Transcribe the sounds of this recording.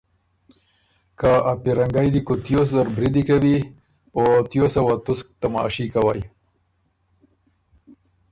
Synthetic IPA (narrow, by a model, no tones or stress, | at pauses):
kaapiɾaŋɡajd̪ikot̪joszaɾbɾid̪ikawi | ot̪josawat̪ʊsk̚t̪ama̰ʃikawaj